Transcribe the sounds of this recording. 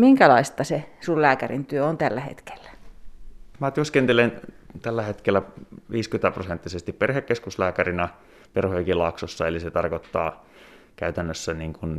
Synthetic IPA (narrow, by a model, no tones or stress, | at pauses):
miŋkælɑist̪ɑsesullæːkærint̪yøont̪ælːæhḛt̪ke̥lːæ̥ | mæt̪yøskent̪elent̪ælːæhet̪kelːæʋiːskyt̪æprosent̪ːisest̪ipperhekːeskuslæːkærinæ | perhojkilɑksosːɑeliset̪ɑrkot̪ːɑː | kæyt̪ænːøsːæniːŋkun